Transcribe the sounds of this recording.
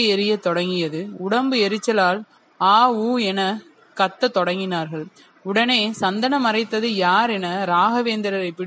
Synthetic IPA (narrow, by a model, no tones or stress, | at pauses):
ɯɛɾɪjɐt̪ɔɽɐŋɡɪjɐðɯʊɽɐmbɯɛɾɯt͡ʃːɐlaːl | aːuːɛnɐ | kɐt̪ːɐt̪ɔɽɐŋɡɪnaːɾɣɐɭ | ʊɽɐneːsɐnd̪ɐnɐmɐrɐɪt̪ːɐðɯjaːɾɛnɐɾaːɣɐʋeːnd̪ɪɾɐɾɐɪpːɪɽ